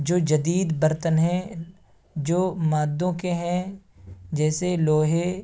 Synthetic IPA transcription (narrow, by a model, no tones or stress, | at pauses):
d͡ʒoːd͡ʒɐd̪iːd̪bəɾt̪ənɦɛ̃ | d͡ʒoːmaːd̪ːõkeɦɛ̃ | d͡ʒɛːseloːɦe